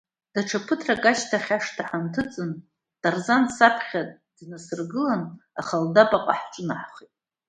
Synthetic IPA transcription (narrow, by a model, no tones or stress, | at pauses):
d̥aʈ͡ʂʰapʰɨtʰrakʼat͡ʃtʰaχʲaʂtʰaħantʰɨt͡sʼɨn | d̥arzansapʰχʲa | d̥nasɨrɡɨlanaχaldabʼaqʼa̰ħʈ͡ʂʼɨnaħχitʼ